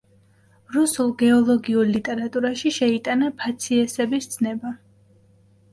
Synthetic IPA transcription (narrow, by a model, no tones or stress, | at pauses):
ɾusulˠɡɛɔlˠɔɡiuɾlit̪ʼɛɾat̪ʼuɾaʃiʃɛit̪ʼanapʰat̪sʰiɛsɛbist̪sʰnɛba